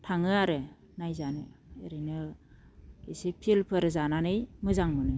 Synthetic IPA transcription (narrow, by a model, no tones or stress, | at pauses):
tʰaŋɯaɾɯ | najzanɯ̰eɾinɯ | ɡesipʰilpʰɯɾɯzananɯjmɯzaŋmɯnɯ